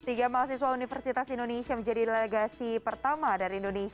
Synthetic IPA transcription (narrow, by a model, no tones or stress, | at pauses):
t̪iɡamaas̬is̬waunifərsit̪asindonesiaməɲd͡ʒadileɡasipərt̪amadaɾiindonesi